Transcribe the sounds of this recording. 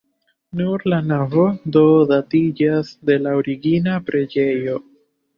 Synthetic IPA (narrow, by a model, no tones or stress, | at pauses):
nuɾlanavo̞do̞datid͡ʒasde̞laoɾiɡinapɾe̞d͡ʒe̞jo̞